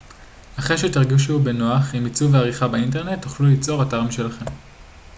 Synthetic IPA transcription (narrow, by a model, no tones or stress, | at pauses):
aχeʃetiʁɡiʃube̞noaχimit͡suveaʁiχabeint̬e̞ʁne̞tːoχlulit͡so̞ʁataʁmiʃe̞laχe̞m